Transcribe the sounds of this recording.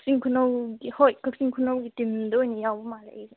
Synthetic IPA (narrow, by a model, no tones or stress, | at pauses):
siŋkʰunowɡihojkʰak̚siŋkʰunawɡitimdɔjnijawbɔmalejze